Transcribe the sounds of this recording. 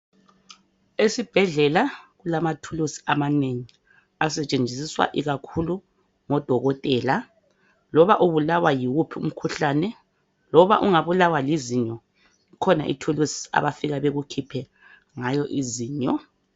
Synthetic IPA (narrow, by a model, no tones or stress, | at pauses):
esib̥ʱɛɮɛlaɣulamatʰulusi̥amaneŋi | asɛt͡ʃʼend͡zʱisiswa̰ʔiɣakʰulu | ŋɔd̥ʱɔɣɔtʼɛːla | lɔβaʔuβulawajiɣupʰiṵm̩kʰuɬaːnɛ | lɔβaʔuŋaβulawaliziɲɔ | ikʰɔnaʔḭtʰulusi̥a̰βafiɣaβeɣukʰipʰɛ | ŋajɔʔiziːɲɔ